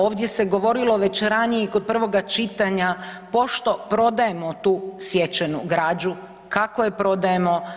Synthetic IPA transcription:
o̞ːʋd̪ʲje̞se̞ɡo̞ʋo̞ɾilo̞ʋe̞t͡ɕɾanijeikod̪̚pr̩ʋo̞ɡat͡ʃit̪aɲapo̞ʃt̪o̞pɾo̞d̪aje̞mo̞t̪uːsjet͡ʃenuɡɾaːd͡ʑu | kakoje̞pɾo̞d̪aje̞mo̞

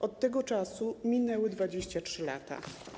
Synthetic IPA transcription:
ʔɔt̪ːɛɡɔt͡ʂasumʲinɛwɘd̪vad͡ʑeɕt͡ɕatʂɘla̰t̪a̰

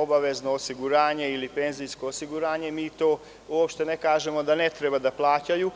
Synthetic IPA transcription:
obaʋe̞znoosiɡuɾaːɲe̞ilipe̞nzijsko̞osiɡuɾaːɲe̞miːt̪o̞ː | uopʃt̪e̞nekaːʒe̞mo̞d̪ane̞t̪ɾebad̪aplˠaːt͡ɕaju

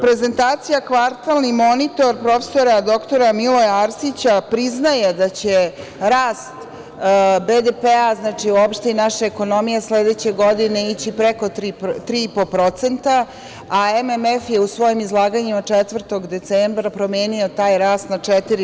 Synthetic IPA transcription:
pɾe̞ze̞nt̪aːt̪sijakʋaɾt̪alˠnimo̞nit̪o̞ɾpɾo̞fe̥so̞ɾad̪o̞kt̪o̞ɾamilojaɾsit͡ɕapɾiznaje̞d̪at͡ɕe | ɾaːst̪ | bed̪epeaznat͡ʂiuopʃt̪einaʃeeko̞no̞mijesled̪et͡ɕeɡo̞d̪ine̞it͡ɕipɾeko̞t̪ɾit̪ɾiːipopɾo̞t̪se̞nt̪aː | ememefje̞usʋo̞jimizlˠaːɡaɲimat͡ʂɛt̪ʋr̩t̪o̞ɡd̪e̞t̪sembɾapɾomeːnio̞t̪aːjɾaːst̪nat͡ʂɛt̪iɾi

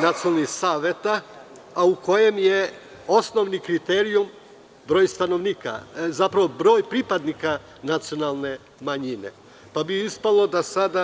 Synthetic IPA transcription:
nat̪siolnisaːʋet̪a | auko̞je̞mje | o̞sno̞ʋnikɾit̪eɾium | bɾoːjst̪ano̞ʋnika̰zapɾaʋobɾo̞ːjpɾipad̪nika | nat̪sio̞nalˠne̞ | maɲine̞̰ | pabiispalˠo̞d̪asad̪a

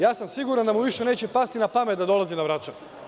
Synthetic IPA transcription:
jaːsamsiɡuɾand̪amuʋiʃe̞neːt͡ɕepast̪inapamet̪̚d̪ad̪o̞lˠazinaʋɾat͡ʃan

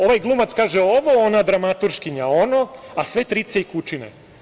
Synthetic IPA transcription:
o̞ʋajɡlˠumat̪skaːʒeoʋo̞onad̪ɾamat̪uɾʃkiɲao̞no̞asʋe̞t̪ɾit̪seikut͡ʃinḛ

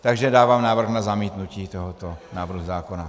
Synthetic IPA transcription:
t̪aɡʒɛdaːvaːmnaːvr̩xnazamiːt̪nuciːt̪o̞ɦot̪onaːvɾ̩ɦuzaːko̞na

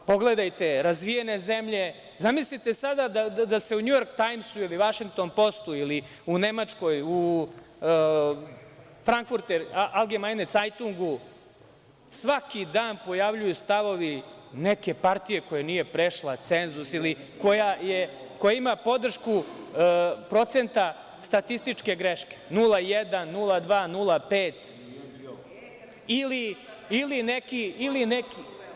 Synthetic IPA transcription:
po̞ɡle̞d̪ajt̪e̞ɾazʋijene̞ze̞mʎe̞ | zamislit̪e̞sad̪ad̪ad̪ad̪ase̞uɲujo̞ɾkt̪ajmsuiliʋaʃiŋɡ̚t̪o̞npo̞st̪uili | une̞mat͡ʃko̞ju | fɾaŋkfuɾt̪eɾalˠɡemajnet̪sajt̪uŋɡu | sʋakid̪aːnpo̞jaʋʎujust̪aʋo̞ʋineke̞paɾt̪ije̞ko̞janiːje̞pɾeʃlˠat̪senzusili | ko̞jaje | kojaimapo̞d̪r̩ʃku | pɾo̞t̪se̞nt̪a | st̪at̪ist̪it͡ʃke̞ɡɾeʃkʲe̥nulˠajɛd̪anːulˠad̪ʋaːnulˠapeːt̪ | ili | ilinekiilineki

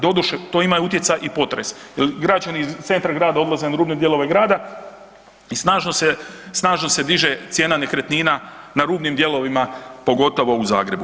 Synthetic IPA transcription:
d̪o̞d̪uʃet̪o̞imajuut̪ʲje̞t̪sajʔipo̞t̪ɾe̞sjelɡɾat͡ʃaniizt̪se̞nt̪ɾaɡɾaːd̪ao̞d̪lˠazenaɾuːbned̪je̞lˠo̞ʋe̞ɡɾaːd̪a | isnaːʒnosesnaːʒno̞se̞d̪iʒe̞t̪sje̞ːnane̞kɾet̪niːnanaɾuːbnimd̪je̞lˠo̞ʋimapo̞ɡo̞t̪o̞ʋo̞uza̰ːɡɾe̞bu

